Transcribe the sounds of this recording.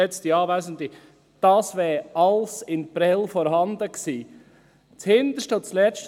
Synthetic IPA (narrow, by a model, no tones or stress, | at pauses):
ɛt͡st̪iɑːʋæsənd̪i | d̥ɑːsʋɛːɑlsɪnpɾɛlfɔɾhɑnd̪əksiː | t͡shɪnd̪əʃtəʊt͡slɛt͡ʃt